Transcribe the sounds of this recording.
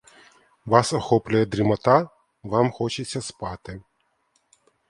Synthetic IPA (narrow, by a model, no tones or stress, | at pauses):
ʋɑsɐxɔplʲʊjɛd̪ɾʲimɐt̪a | ʋɑmxɔt͡ʃɪt͡sʲːɐspɑt̪ɪ